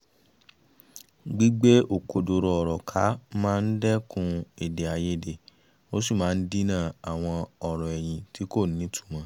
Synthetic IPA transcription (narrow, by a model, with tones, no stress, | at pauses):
ɡ͡bi˦ɡ͡be˦ʔo˨ko˨do˧ɾɔ˧ɔ˨ɾɔ˨kʰa˨˦mãː˦˧n̩˦dɛ˦kũ˧e˨de˨a˧je˦˨de˧˨ | o˦si˦˨mãː˨˦n̩˦di˦nã˦˨a˨w̃ɔ̃˧ɔ˨ɾɔ̃˨ɛ˨j̃ĩ˨tʰi˨˦ko˦˨n̩˦nĩ˨˦tʰu̥˦˨mã˨˦